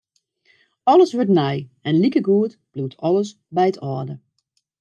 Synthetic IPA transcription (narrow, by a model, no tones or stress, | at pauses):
ɔləsʋøɹtnajɛnlikəɡuət | b̥lutʰɔləs | bɛjətʰɔːdə